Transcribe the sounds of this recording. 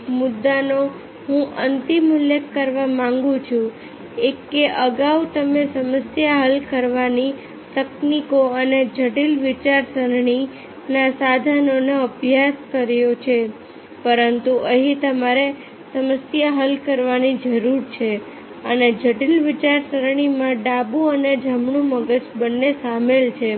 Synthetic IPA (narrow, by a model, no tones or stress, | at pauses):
mʊd̪ːano | ɦũʔənt̪imuljekːəɾʋamãŋɡũt͡ʃʰũ | eːeʔəɡaut̪əmesəməsjaɦəlkəɾʋani | t̪əknikoəned͡ʒʱəʈilʋɪt͡ʃaɾsəɾɳ̃i | nasad̪ʱanoneəbʱjaskəɾjot͡ʃʰe | pəɾənt̪uʔəɦĩt̪əmaɾe | səməsjaɦəlkəɾʋanid͡ʒəɾuɾt͡ʃʰe | əned͡ʒʱəʈilʋɪt͡ʃaɾsəɾɳ̃imãɖabuəned͡ʒəmɳũməɡəd͡ʒbənːesamelt͡ʃʰe